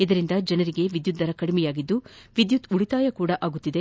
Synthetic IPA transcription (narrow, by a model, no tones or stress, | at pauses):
id̪ɐɾind̪ɐd͡ʒɐnɐɾiɡe̞ʋid̪jut̪̚d̪ɐɾɐkɐɽimɛjaːɡid̪ːuʋid̪jut̪uɭit̪aːjɐkuːɽɐʔaːɡut̪ːid̪e̞